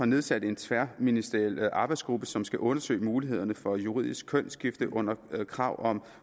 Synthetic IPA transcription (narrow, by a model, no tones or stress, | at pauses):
ɑ̈ne̝ð̞ˠsæd̥e̝nt͡sʰʋæɐminisd̥eɛlʔɑ̈ːb̥ɑ̈ɪd̥sɡ̥ʁub̥əsɒ̽msɡ̥æʔɔ̽nɐsø̰ːɪmuːliɦe̝ð̞̰ˠɐnəfɒ̽juʁḭð̰ˠisɡ̥̚kʰɔn̰sɡ̥ifd̥əʔɔ̽n̰ɐkʰʁɑ̈ʊ̰ʔɒ̽m